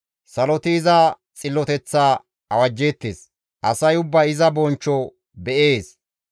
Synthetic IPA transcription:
sɐlɔt̪ɪːzɐ | t͡sʼɪlːɔt̪ɛt͡sːaː | ɐwɐd͡ʒːeːt̪ːeːs | ʔɐsɐjʊbːɐɪzɐbɔnt͡ʃːɔ | bɛʔeːs

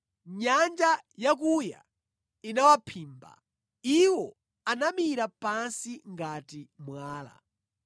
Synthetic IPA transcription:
ɲand͡ʒajak̬uja̰ | inawapʰiːmba̰ | iwɔ | anamiɾapansiŋɡatimwaːla̰

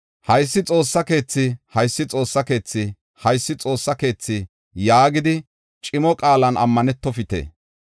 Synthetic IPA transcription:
hɐjsːɪt͡sʼo̞ːsːɐke̞ːt͡sːɪhɐjsːɪt͡sʼo̞ːsːɐke̞ːt͡sːɪ | hɐjsːɪt͡sʼo̞ːsːɐke̞ːt͡sːɪ | jaːɡɪd̪ɪ | t͡ʃʼɪmɔkʼaːlɐnɐ̰mːɐnɛt̪ːɔfɪt̪ḛː

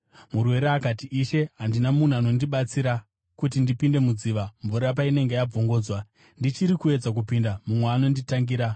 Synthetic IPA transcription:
murwe̞ɾeakatiʔiʃe̞ɦandinamun̤uano̞ndiɓat͡siɾa | kut̬indipinde̞mud͡ziːʋaɱvuɾap̬aine̞ŋɡejab͡voŋɡo̞ːd͡zwa | ndit͡ʃiɾikue̞d͡zak̬upindamumweano̞nditaŋɡiːɾa

